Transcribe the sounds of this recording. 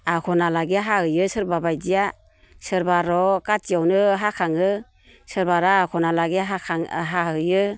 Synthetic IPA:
akʰɔnalaɡiɦahɯjɯsɯɾbabajdija | sɯɾbaɾɔkat͡ʃiawnɯɦakʰaŋɯ | sɯɾbaɾaːkʰɔnalaɡiɦaaŋɦahɯjɯ

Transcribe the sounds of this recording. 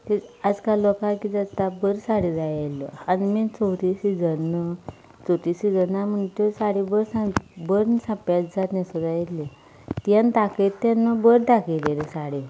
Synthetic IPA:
t̪ead͡zkalɔkakid͡zəst̪abəɾsaɽid͡zajelːə̰animit͡sowʈiɕid͡zənə | t͡soʈiɕid͡zənaməɳt̪osaɽibəɾsãbəɾnsãpjatd͡zat̪nãsud̪ajet̪le | t̪jant̪akett̪ːanːəbəɾʈakʰelelesaɽi

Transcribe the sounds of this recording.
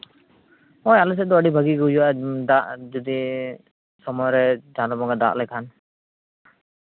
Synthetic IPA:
ɔjalɛs̬ɛd̪ɔəɖibʱaɡiɡɦud͡ʒuwad̪aʔd͡ʒɔd̪i | sɔmɔjɾɛd͡ʒalɔbɔŋɡad̪a̰ʔlɛkʰan

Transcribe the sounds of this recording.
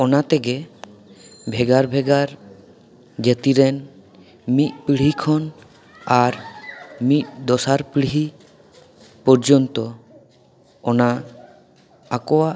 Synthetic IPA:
ɔnat̪eɡe | bʱɛɡaɾbʱɛɡaɾ | ɡet̪iɾɛn | mit̪̚pɽikʰɔn | aɾmit̪̚d̪ɔsaɾpɭiɦi | pɔɾd͡ʒɔnt̪ɔ | ɔna | akɔwaʔ

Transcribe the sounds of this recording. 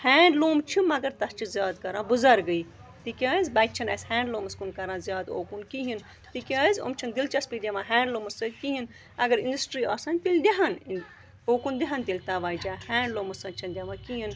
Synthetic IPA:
hɛːɳɖloːmt͡ʃʰimɐɡɐɾt̪ɐst͡ʃʰizʲjaːd̪kɐɾãːbuzɐɾɡəiː | t̪ikʲaːizbɐt͡ʃʰɐnɐshɛ̃ːɳɖloːmɐskunkɐɾãːzjaːd̪o̰ːkunkiɦin | t̪ikʲaːizo̰mt͡ʃʰɐnd̪ilt͡ʃɐspid̪ʲamãːɦɛ̃ːɳɖloːmɐsɐkiɦin | ɐɡɐɾinɖɐsʈɾiːa̰ːsaːnʲt̪ilʲd̪iɦɐn | oːkund̪iɦɐnt̪ilʲt̪aʋaːd͡ʒaːhɛːɳɖloːmɐsɐnt͡ʃʰɐnd̪ʲɐmãːkiɦin

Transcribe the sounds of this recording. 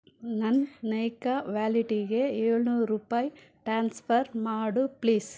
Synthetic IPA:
nɐnnɐjkaʋjaːliʈiɡeeːɭnuːɾɾuːpaːji | ʈɾaːnspɐɾmaːɽupliːs

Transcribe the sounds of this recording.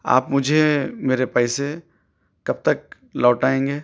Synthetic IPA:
a̰ːpmʊd͡ʒʱemeːɾepɛːɪse | kɐb̚t̪ɐk̚ | lɔːʈaːẽːŋɡeː

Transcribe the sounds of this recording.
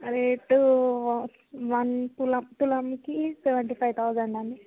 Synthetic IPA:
ɾeːʈːu | ʋɐntulɐt̪ulɐmkisɛʋɐɳʈipʰajt̪ʰawd͡ʒɐɳɖɐɳɖi

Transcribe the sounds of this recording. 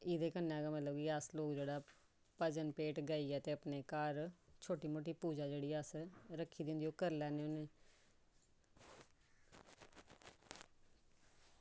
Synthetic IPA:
ɪːd̪eːkənːɛ̃ːɡaːmət̪ləbkiəsloːkd͡ʒeːɽaː | pəd͡ʒənpeːʈɡaːiːɛːt̪eːəpneːkaːɾt͡ʃʰoːʈiːmoːʈ̬iːpuːd͡ʒaːd͡ʒeːɽiːəsɾəkʰːiːd̪ɪ̃nd̪iːoːkəɾlɛːneːoːneː

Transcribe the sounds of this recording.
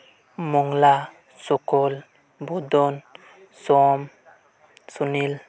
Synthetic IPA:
moŋla | sokol | bodon | som | sunil

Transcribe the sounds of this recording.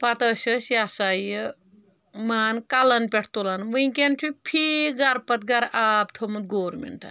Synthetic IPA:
pɐt̪ɐsɐsjasajə | maːnkalɐnpʲeʈʰt̪olanmujĩkent͡ʃʰupʰiɡɐɾpɐt̪̚ɡɐɾaːbt̪ʰomɨt̪̚ɡoːɾmḛɳʈa̰n

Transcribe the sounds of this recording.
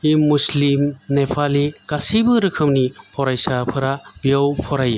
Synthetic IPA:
imːuslimnepʰaliɡasibɯɾɯkʰɯmnipʰɔɾajsapʰɯɾab̥ijawpʰɔɾaje

